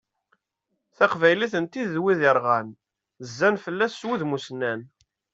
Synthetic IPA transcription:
θæqvæjliθənt̪iðwiðəɾˤʁæn | zːænfəlːæsːwiðmusnːæn

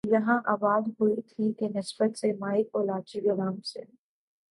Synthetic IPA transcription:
jɐɦãʔaːbaːd̪ɦuit̪ʰikenɪsbət̪semaːɪkoːlaːt͡ʃiɡɐɾaːmsḛ

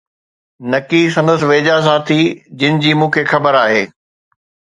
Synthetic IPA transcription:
nɐkisɐ̃nd̪əsɪʋeːd͡ʑas̬ãːt̪ʰid͡ʑɪnɪ̆d͡ʑiːmũːkʰeːxɐbəɾaːɦeː

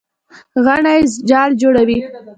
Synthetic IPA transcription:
ɣaɳajzd͡ʒɑɽd͡ʒoɽawi

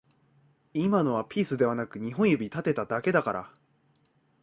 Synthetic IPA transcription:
imano̞βapʲiːsɨd̪e̞β̞anakɯ̟ɲ̟iɦõ̞ɰ̃jobʲit̪at̪e̞t̪ad̪ake̞d̪akaɾa̰

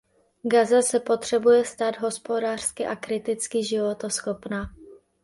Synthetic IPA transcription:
ɡazasɛpo̞t̪r̝̥ɛbujɛst̪aːd̪ɦo̞spo̞daːr̝̥skɪʔakɾɪt̪ɪt͡skɪʒɪvo̞t̪osxopnaː

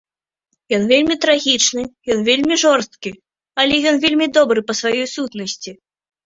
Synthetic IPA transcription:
jɔnvʲelʲmʲit̪ɾaɣʲit͡ʂnɨjɔnvʲelʲmʲiʐɔrst̪̚kʲi | ɐlʲɛjɔnvʲelʲmʲid̪ɔbɾɨpɐsvajɔjsut̪nɐsʲt͡sʲi

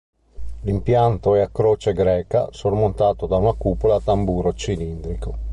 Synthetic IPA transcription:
limpjant̪oɛakːɾoːt͡ʃeɡɾɛːka̰sormont̪aːt̪od̪aunakuːpolaːt̪ambuːɾot͡ʃilind̪ɾiko

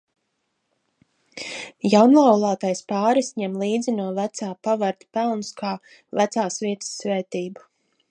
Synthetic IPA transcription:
jawnlˠawlˠaːt̪ajspaːɾisɲɛmlˠiːd̪zʲinuɔvæt̪saːpavaɾt̪i̥pælˠnskʰaː | væt̪saːsviɛt̪ə̥sːvɛːt̪iːbu

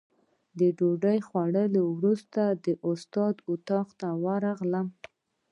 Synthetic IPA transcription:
d̪əɖoɖəjxwaɽəlowɾust̪ad̪əʔʊst̪ɑd̪ʊt̪ɑqt̪awaɾɑɣləm

